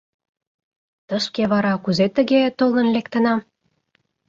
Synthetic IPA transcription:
t̪əʃkeβɑɾɑkuzet̪ə̆ɣet̪olə̆nlekt̪ə̆nɑm

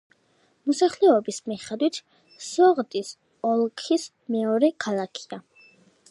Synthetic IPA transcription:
mɔsaχlɛɔbismiχɛd̪wit̪ʰ | sɔʁd̪ʼis | ɔlˠkʰis | mɛɔɾɛkʰalˠakʰi̥a

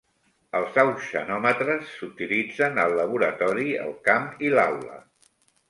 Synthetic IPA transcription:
əlˠzawsʃə̰nɔmət̪ɾəsːut̪ilid͡zənəlːəβ̞uɾət̪ɔɾiə̰lˠkamilawlə̰

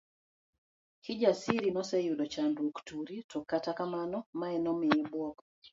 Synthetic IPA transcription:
kɪd͡ʒasiɾinɔsɛjudɔt͡ʃandwoktuɾitɔkːatakamanɔmaɛnɔmɪjɛbwɔk

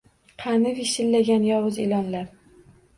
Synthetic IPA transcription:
qʰɑnɪviʃɪlːaɡʲanjɒwʊzelɒnlaɾ

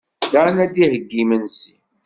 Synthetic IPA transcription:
d̪anæd̪ihəɡːimənsi

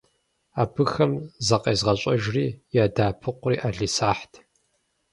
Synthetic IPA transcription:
aːpʰɨxɐmzɐqʼeːzʁɐɕʷʼɐʒriːjaːdaːpʰɨqʷʊriːʔaːɮisaːħtʰ

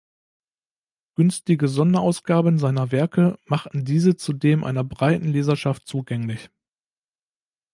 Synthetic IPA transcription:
ɡ̥ʏnstɪɡəzɔndɐʔaʊsɡ̥aːbənzaɪnɐvɛɐkʰəmaχtn̩diːzət͡sudeːmʔa̰ɪnɐbʁaɪtn̩leːzɐʃaftt͡suːɡɛŋlɪç

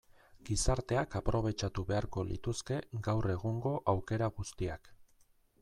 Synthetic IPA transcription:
ɡ̥isaɾt̪e̞akapɾʔo̞β̞e̞t͡ʃat̪uβe̞aɾko̞lḭt̪uske̞ɡawre̞ɣ̞uŋɡo̞ʔawke̞ɾaɣust̪iak

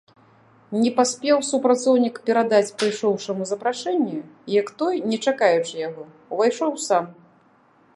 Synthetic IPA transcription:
nʲɛpasʲpʲɛwsupɾat̪sɔwnʲikpʲɛɾad̪at͡sʲpɨjʂɔwʂɐmuzɐpɾaʂɛnʲːɛjɐkt̪ɔjnʲɛt͡ʂakajut͡ʂjaɣɔ | vajʂɔwsam

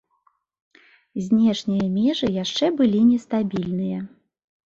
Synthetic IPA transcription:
zʲnʲɛʂnʲijɐmʲɛʐɨjaʂt͡ʂɛbɨlʲinʲɛst̪abʲilʲnɨjɐ

